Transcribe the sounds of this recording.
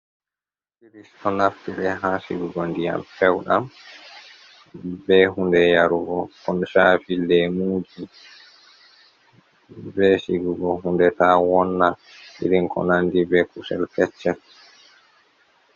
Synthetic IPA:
kɾistɔnaftiɗɛɦasiɡuɡɔndija̰mfɛwɗam | bɛɦundɛjaɾuɡɔkɔnʃaːfilːdɛmuːd͡ʒi | bɛsiɡuɡɔɦundɛtawɔnːa | ʔḭɾiŋkɔ̰nandibɛkusɛlkɛt͡ʃːɛl

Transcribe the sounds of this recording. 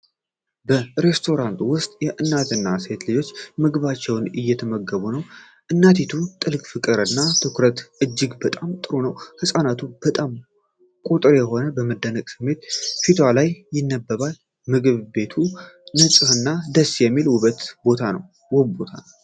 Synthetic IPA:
bəɾe̞st̪ʰo̞ɾant̪wʊst̪ʼjɛʔɨnːat̪ʰɨnːast̪lɨd͡ʒo̞t͡ʃːmɨɡɨβat͡ʃːɛwnɨjːɛt̪ʰəməɡːəβunəw | ʔɨnːat̪ʰet̪ʰut̪ʼɨlkʼfɨkʼɨɾɨnːat̪ʰɨkɾət̪ʔɨd͡ʒːɪɡbət̪ʼamt̪ʼɨɾunəwhɨsʼanat̪ʰub̥ət̪ʼam | kʼut̪ʼɨɾjɛɦo̞nəbəməd̪ːənəkʼsɨmːe̞t̪fit̪ʰalajːɪnːəbːəβal | mɨɡɨβbe̞t̪ʰunəsʼɨhɨnːad̪əsːjɛmːilwʊβət̪bo̞t̪ʰanə̰w | wɔbot̪ʰa

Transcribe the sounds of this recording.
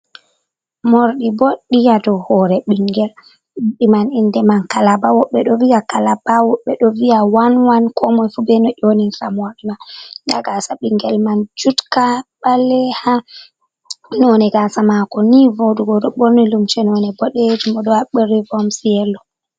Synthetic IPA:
moɾɗiboɗːijadɔhɔɾɛɓiŋɡɛl | ɗimanindɛmankalabawɔɓɛɗɔviakalabawɔɓːɛɗɔvijawanwankʰɔmɔjfubɛnɔʔoninfamoɾɗimandaɡasaɓiŋɡɛlmand͡ʒutkaɓalːɛha | nɔnɛɡasamakɔnivoduɡɔɗɔɓoɾnilumt͡ʃɛnɔnɛbɔɗed͡ʒimɔɗɔaɓəɾːivɔmsijɛlːɔ

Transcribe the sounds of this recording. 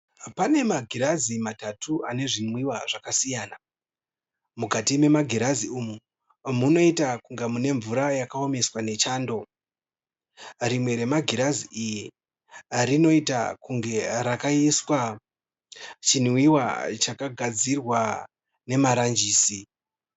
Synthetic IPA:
pane̞maɡʱiɾazimatatʰuʔane̞ʐinwiwaʐ̥akasijaːna | mukatime̞maɡʱiɾaziuːmu | muno̞itakuŋɡemune̞ɱvuɾajakaome̞swane̞t͡ʃaːndo̞ | rimwe̞ɾe̞maɡʱiɾaziʔiji | rino̞ita̰kuŋɡe̞ɾakaiswa | t͡ʃinwiwa̰t͡ʃakaɡʱad͡zirwa | ne̞maɾand͡ʒiːsi

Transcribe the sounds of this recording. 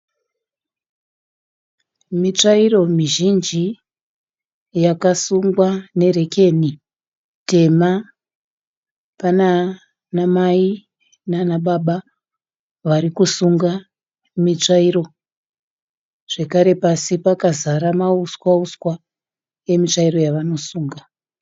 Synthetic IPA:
mit͡ʂairo̞miʒind͡ʒi | jakasuŋɡwane̞re̞ke̞ni | te̞ma | pana | namai | nanaɓaɓa | ʋaɾikusuŋɡa | mit͡ʂaiɾo̞ | ʐ̥e̞kaɾe̞pasipakazaɾamauskwauswa | e̞mit͡ʂairo̞jaʋano̞suːŋɡa

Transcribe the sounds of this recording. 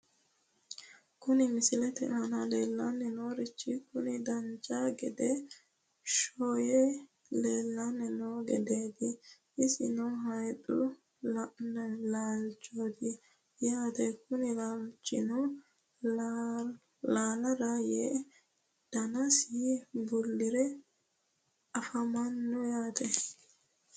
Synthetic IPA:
kʊnɪmɪsɪlɛt̪ɛ̰hɐnɐleːlːɐnːɛnoːɾɪt͡ʃːɪkʊnɪd̪ɐnt͡ʃʼaɡɛd̪ɛ | ʃoːjɛ | leːlːanːɛnoːɡɛ̰d̪eːd̪ɪ | ʔɪsɪ̰nɔɦɐjdʊ̰ | lnɛlaːlt͡ʃʼːoːd̪ɪ | jaːt̪ɛkʊnɪlɐlt͡ʃʼːɪ̰nɔ | laːlɐɾɐjeː | d̪̥ɐnɐsibʊlːɪɾɛ | ɐfɐmɐnːʊjaːt̪ɛ

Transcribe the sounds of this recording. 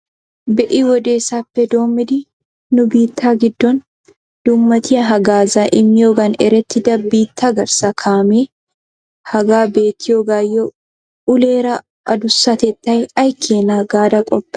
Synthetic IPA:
bɛʔiːwɔd̪eːsapːɛd̪o̞ːmɪd̪ɪ | nʊbiːt̪ʰːaːɡɪd̪ːɔn | d̪̥ʊmːɐt̪ɪjɐɦɐɡaːzaʔɪmːɪjoɡɐnɛɾɛt̪ːɪd̪ɐbːiːt̪ʰːɐɡɐɾsɐkʰaːmeː | hɐɡaːbe̞ːt̪ːɪjoɡaːjːɔ | ʊleːɾɐ | ʔɐd̪ʊsːɐt̪ɛt̪ːɐjɐjkʰeːnaːɡaːd̪ɐkʼɔpʼː

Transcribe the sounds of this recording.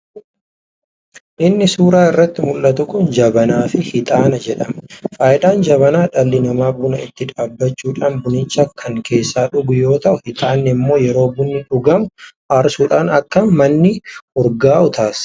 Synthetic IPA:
ʔɪnːɪsuːɾaːɪrːɐt̪ːɪmʊlːɐt̪ʊkʊnd͡ʒɐbɐnaːfɪhɪt̪ʼaːnɐd͡ʒɛᶑɐmfaːjɪd̪aːnd͡ʒɐβɐnaːᶑɐlːɪnɐmaːbʊnɐɪt̪ːɪᶑaːbːɐt͡ʃːuːᶑaːnbʊnɪnt͡ʃːɐkʰɐŋkʰe̞ːsːaːᶑʊɡʊjo̞ːt̪ɐʔʊhɪt̪ʼaːnːɛɪmːo̞ːjɛɾo̞ːbʊnːɪᶑʊɡɐmʊ | ɐɾsuːᶑaːnɐkːɐmɐnːɪʊɾɡaːʔʊt̪ʰaːs

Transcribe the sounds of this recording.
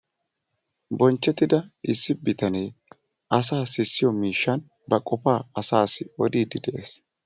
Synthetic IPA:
bɔnt͡ʃːɛt̪ːɪd̪ɐɪsːɪbɪt̪ɐnej | ɐsaːsɪsːɪjɔmiːʃːɐn | bɐkʼɔpaːɐsaːsɪɔd̪iːd̪ɪd̪ɛʔḛːs

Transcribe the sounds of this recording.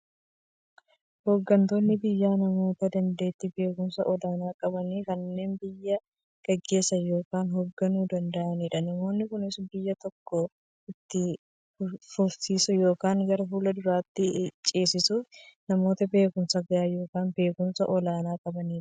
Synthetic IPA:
hoːɡːɐnt̪o̞ːnːɪbɪjːaːnɐmo̞ːt̪ɐd̪ɐnd̪e̞ːt̪ːɪbe̞ːkʊmsɐʔɔlaːnaːkʼɐbɐniːkɐnːe̞ːnbɪjːɐ | ɡ̥ɐɡːe̞ːsːɐjo̞ːkaːnɦɔɡːɐnuːd̪ɐnd̪ɐʔɐniːᶑɐnɐmo̞ːnːɪkʊnɪsbɪjːɐt̪ɔkːɔ | ɪt̪ːɪ | fʊɾsiːsʊjo̞ːkaːŋɡɐɾɐfuːlɐd̪ʊɾaːt̪ːɪt͡ʃʼeːsɪsʊnɐmo̞ːt̪ɐbe̞ːkʊmsɐɡɐaːjo̞ːkaːnbe̞ːkʊmsɐʔɔlaːnaːkʼɐbɐniːᶑɐ

